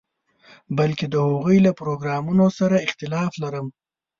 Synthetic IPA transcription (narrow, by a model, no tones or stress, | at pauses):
balked̪əhoɣujlapɾoɡɾɑmunosaɾaɪxt̪ɪlɑflaɾəm